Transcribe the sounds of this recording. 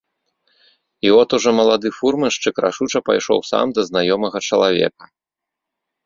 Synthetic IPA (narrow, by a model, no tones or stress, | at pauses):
iɔt̪uʐɔmɐlˠad̪ɨfurmɨʂt͡ʂɨkɾʔa̰ʂut͡ʂɐpa̰jʂɔ̰wsa̰md̪ɐznajɔmɐɣɐt͡ʂɐlˠavʲɛ̰kɐ̥